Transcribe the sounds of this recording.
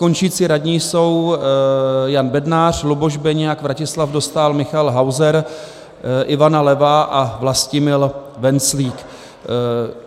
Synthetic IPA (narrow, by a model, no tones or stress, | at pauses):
ko̞nt͡ʃiːt͡siɾadɲiːso̞w | janbɛdnaːr̝̥luboʒbɛɲɛjakvɾacɪslafdo̞st̪aːlmɪxalɦawzɛɾ | ʔɪvanalɛvaʔavlascɪmɪlvɛnt͡sliːk